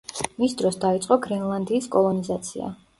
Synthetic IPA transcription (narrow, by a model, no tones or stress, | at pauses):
misd̪ɾɔsd̪ait̪sʼqʼɔɡɾɛnlˠand̪iːskʼɔlˠɔnizat̪sʰḭa̰